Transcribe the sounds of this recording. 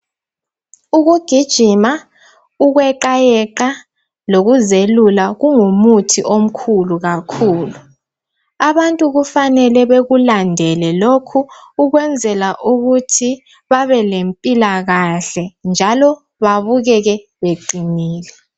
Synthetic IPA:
uɣuɡ̥ʱid̥ʒ̥ʱima | uɣwɛǃajɛǃa | loɣuzelulaɣuŋumutʰiʔom̩kʰuluɣakʰuːlu | aβantʼuɣufanɛlɛβeɣulandʱɛlɛlokʰuːɣwɛnd͡zʱɛlaʔuɣutʰi | βaβɛlempʼilaɣaɬɛnd͡ʒʱalɔ | βaβuɣɛɣɛ | βeǃiniːlɛ

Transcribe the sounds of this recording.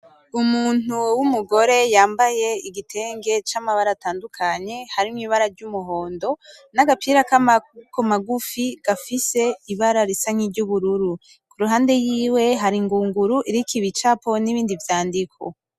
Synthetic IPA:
umuːn̥uwumuɡo̞ɾe̞jaːmbaje̞iɡitʰe̞ːŋɡe̞t͡ʃamaβaɾataːndukʰaɲe̞haɾimŋiːβaɾaɾɟumuɦo̞ːndo̞ | naɡapiɾakamakʰomaɡufiɡ̥afise̞iβaɾaɾisaŋ̥iɾɟuβuɾuɾu | kuɾuɦaːnde̞jiːwe̞ɦaɾiŋɡuːŋɡuɾuʔiɾikʰiβit͡ʃapo̞niβiːndivjaːndikʰo̰

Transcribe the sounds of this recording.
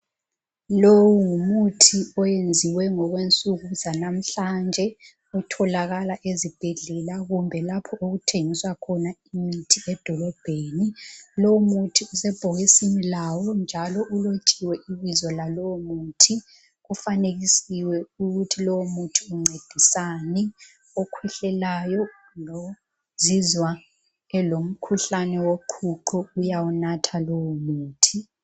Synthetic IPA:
lowuŋumutʰiɔjend͡zʱiwɛŋɔɣwent͡sʼuɣuzanam̩ɬand͡ʒʱɛ | utʰɔlaɣalaʔezib̥ʱeɮɛlaɣumbʱɛlapʰɔʔuɣutʰeŋiswakʰɔnaimitʰiɛd̥ʱɔlɔb̥ʱeːnilɔwumutʰiusɛb̥ʱoɣisinilawɔnd͡ʒʱalɔʔulot͡ʃʼiwɛʔiɓizɔlalɔwomuːtʰi | ufanek̬isiwɛukutʰilɔwomutʰiuŋ͡ǀed̥ʱisanɛ | okʰɛɬɛlajɔ | nɔ | zizwa | ɛlom̩kʰuɬanɛwoǃʰuǃʰɔujawunatʰalowumuːtʰi

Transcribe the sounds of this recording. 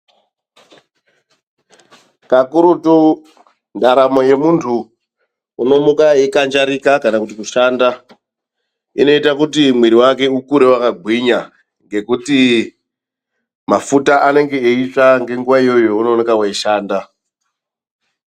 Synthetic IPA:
kakuɾuto | ndaɾamo̞je̞muntʰuː | no̞mukaikand͡ʒaɾikakanakutikuʃaːnda | ḭno̞itakutimwiɾiwak̬e̞ukuɾewakaɡʱwiɲa | ŋɡe̞kuti | mafutaʔane̞ŋɡe̞eit͡ʂaŋɡe̞ŋɡuʋaijo̞jouno̞ːnekawaiʃaːnda

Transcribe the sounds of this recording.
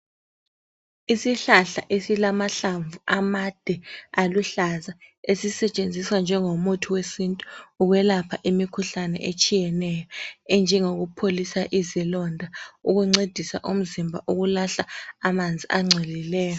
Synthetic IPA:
isiɬaɬa̰ʔesilamaɬaɱvuʔamad̥ʱɛaluɬazaesisɛt͡ʃʼend͡zʱiswand͡ʒʱɛŋomutʰuwesintʼu̥ːɣwɛlapʰaʔimikʰuɬanɛ̰ʔet͡ʃʼijɛnɛjɔɛnd͡ʒʱɛŋoɣupʰolisaʔizilɔndʱauɣuŋ͡ǀed̥ʱisa̰ʔum̩zimbʱa̰ʔuɣulaɬaamand͡zʱiʔaŋ͡ǀʱɛlilɛːjɔ

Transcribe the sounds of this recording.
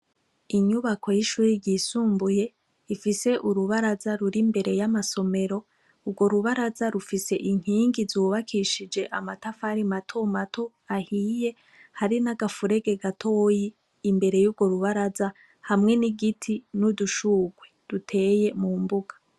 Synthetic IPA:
iɲuβako̞jiʃuːɾiɟiːsuːmbuje̞ | ifise̞ʔuɾuβaɾazaɾuɾimbe̞ɾe̞jamaso̞me̞ɾo̞ | uɾɡwo̞ɾuβaɾazaɾufise̞ʔiŋ̥hiːŋɡizuːβakʰiʃid͡ʒe̞ʔamatafaɾimatʰo̞matʰo̞ | ahiːje̞ | haɾinaɡafuɾe̞ɡe̞ɡatʰo̞ːjiː | mbe̞ɾe̞jubɡwo̞ɾuβaɾaza | hamŋe̞niɡitʰinuduʃuːɡwed̥utʰe̞ːje̞mumbuɡḁ

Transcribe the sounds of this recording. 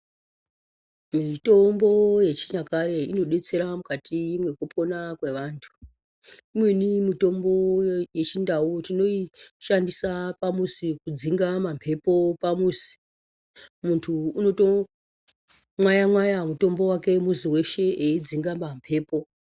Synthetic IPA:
mito̞mbo̞je̞t͡ʃiɲakaɾe̞ino̞ɗe̞t͡se̞ɾamukatʰimwe̞kupo̞nakwe̞ʋaːntʰu̥ | imwe̞nimito̞mbo̞je̞t͡ʃindautino̞iʃandisapamusikud͡ziŋɡamampʰe̞po̞pamusi̥ | muntʰuːno̞to̞ | mwajamwajamuto̞mbo̞wake̞muziwe̞ʃe̞eid͡ziŋɡamampʰe̞ːpo̞

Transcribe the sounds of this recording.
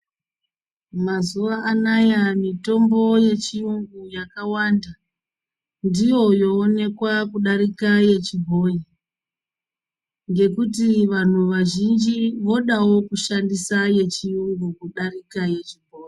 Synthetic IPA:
mazuʋaʔːnajamito̞mbo̞je̞t͡ʃiuŋɡujakawanda | ndijo̞jo̞ːne̞kwakuɗaɾikaje̞t͡ʃibʱo̞ji | ŋɡe̞kutiʋan̤uʋaʒind͡ʒiʋo̞ɗawo̞kuʃandisaje̞t͡ʃiuŋɡukuɗarikaje̞t͡ʃibʱo̞ːji

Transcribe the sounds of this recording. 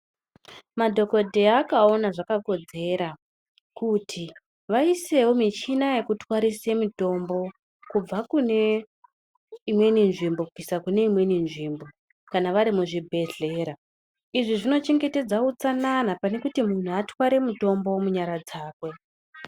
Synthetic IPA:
madʱo̞ko̞dʱeakao̞naʐakako̞d͡ze̞ɾa | kutʰi | ʋaise̞womit͡ʃinaje̞kutwaɾise̞muto̞mbo̞ | kub͡vakune̞ | imwe̞ninʐimbo̞kukisakune̞imwe̞ninʐiːmbo̞ | kanaʋaɾimuʐibʱe̞ɮe̞ɾa | iʐiʐino̞t͡ʃe̞ŋɡe̞te̞d͡zaut͡sananapane̞kutimun̤uatwaɾe̞muto̞mbo̞muɲaɾad͡zaːkwe̞

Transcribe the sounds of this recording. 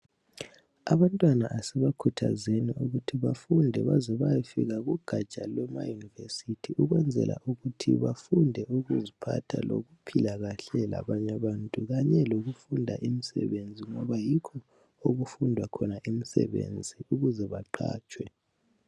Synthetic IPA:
aβantʼwanaʔasɛβakʰutʰa̰zeniuɣutʰiβafundʱɛβazɔβajifḭɣaɣuɡ̥ʱat͡ʃʼalwɛma̰junivesitʰiʔuɣwɛnd͡zʱɛ̰lʔa̰ʔuɣutʰḭβafundʱɛuɣuzipʰatʰa̰lo̰ɣupʰilaɣaɬɛla̰βaɲaβaːntʼuɣaɲɛloɣufundʱaʔimisɛ̰βend͡zʱiŋɔβajikʰɔ | oɣufundʱwakʰɔnaʔimisɛ̰βḛnd͡zʱiuɣuzɛβaǃa̰ːt͡ʃʼwɛ

